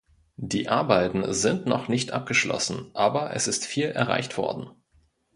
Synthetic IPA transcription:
d̥iːʔaɐbaɪtn̩zɪntnɔ̰χnɪçtʔa̰p̚ɡ̥əʃlɔ̰sn̩ʔaːbɐʔɛ̰sɪstfiːlʔɛɐʁa̰ɪçtv̥ɔ̰ɐdn̩

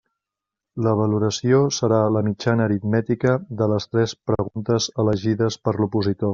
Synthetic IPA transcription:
ləβ̞əluɾəsiosəɾaləmid͡ʒanəːɾit̪mɛt̪ikəðələst̪ɾɛspɾəɣunt̪əzələʒiðəspəɾlupuzit̪o

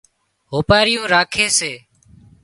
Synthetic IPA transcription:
ɦoːpaːɾɪjũːɾaːkʰeːseː

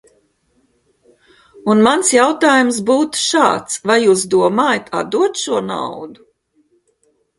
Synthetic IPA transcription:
unmansjawt̪aːjumsbuːt̪u̥ʃa̰ːt̪svajːuːsd̪uɔmaːjat̪ʰa̰d̪d̪uɔt̪ʃuɔna̰wd̪u

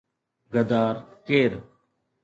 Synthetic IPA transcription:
ɡəd̪aːɾkeːɾ

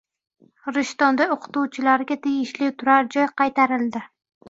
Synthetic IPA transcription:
ɾɪʃt̪ɒnd̪aoqʰʊ̥t̪uwt͡ʃʰɪlaɾɡʲat̪ʰeɡʲɪʃlɪt̪ʰʊɾaɾd͡ʒɒjqʰɑjt̪ʰaɾɪlˠd̪ɪ

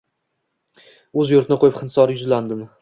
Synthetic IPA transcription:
ɵzjʊɾt̪ɪnɪqʰojɪpχɨnsɒɾjʊzland̪ɪm

